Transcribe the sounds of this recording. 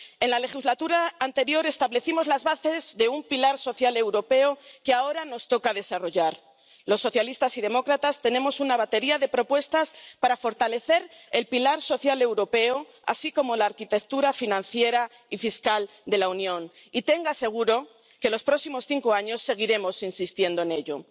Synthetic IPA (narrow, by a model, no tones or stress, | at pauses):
e̞nlale̞xizlat̪uɾaːnt̪e̞ɾjo̞ɾe̞st̪aβle̞θimo̞zlazβaθe̞zðe̞umpilaɾso̞θjale̞wɾo̞pe̞okeao̞ɾano̞st̪o̞kaðe̞saro̞ʝaɾ | lo̞sːo̞θjalist̪asiðe̞mo̞kɾat̪ast̪e̞nẽ̞mo̞sunaβ̞at̪e̞ɾiaðe̞pɾo̞pwe̞st̪aspaɾafo̞ɾt̪ale̞θe̞ɾe̞lpilaɾso̞θjale̞wɾo̞pe̞o | a̰siko̞mo̞laːɾkit̪e̞kt̪uɾafinãnθje̞ɾa | ifiskal | d̪e̞launjõ̞n | it̪e̞ŋɡase̞ɣ̞uɾo̞ | ke̞lo̞spɾo̞simo̞sθiŋko̞aɲo̞sːe̞ɣ̞iɾe̞mo̞sinsist̪je̞nd̪oene̞ʎo̞